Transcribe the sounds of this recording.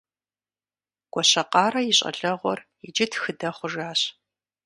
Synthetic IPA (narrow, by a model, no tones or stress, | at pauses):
ɡ̥ʷɔɕɐqɑːɾɐjɪɕʼɐ̰ɮɐʁʷɔr | ɪd͡ʒɪtʰxɨdɐχʷʊʐaːɕ